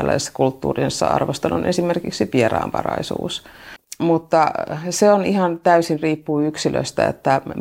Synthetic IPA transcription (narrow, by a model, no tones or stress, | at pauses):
læ̰isesːɑ̥kult̪ːṵːrinsːɑ̰ɑ̰rʋost̪ɑnṵnʔesimerkiksipierɑ̰ːmpɑrɑ̰isṵːsmut̪ːɑseonihɑnt̪æysinriːpːuːyksilø̰st̪æ̰ḛt̪ːæ